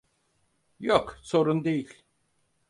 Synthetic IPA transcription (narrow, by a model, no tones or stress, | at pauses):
jokso̞ɾund̪e̞jilʲ